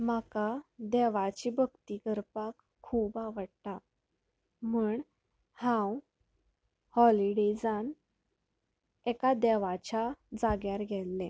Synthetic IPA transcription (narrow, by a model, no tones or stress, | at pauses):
makad̪ɛʋat͡ɕibʱəɡt̪ikəɾpakʰːuːbaʋəɽt̪a | muːɳ | hãw | hɔliɽed͡zan | ɛkad̪ɛʋat͡ɕad͡zaɡjaɾɡʱɛlːẽ